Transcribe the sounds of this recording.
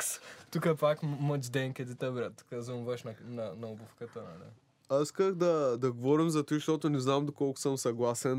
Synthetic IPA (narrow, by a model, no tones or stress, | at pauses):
st̪ukəpakmət͡ʃd̪ɛŋkʲɛd̪it̪ɐbɾat̪kəzumvɐʃnɐnɐnɐɔbufkət̪ənɐ̰lḭ | aiskəxd̪ɐd̪ɐɡovɔɾimzɐt̪iʃt̪ɔt̪onɛznamd̪okɔlˠkʊ̥səmsɐɡlˠasɛn